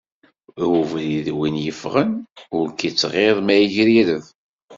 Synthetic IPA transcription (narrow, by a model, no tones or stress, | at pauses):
uvliðwinjəfʁənʊɾkit͡sːʁeðˤmæjəʝɾiɾəð